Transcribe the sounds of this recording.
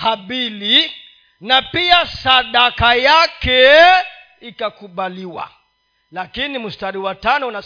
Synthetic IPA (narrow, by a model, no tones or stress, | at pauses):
haɓili | napiasaɗakajakɛ | ikakuɓaliwa̰ | lakinimustaɾiwatanɔuna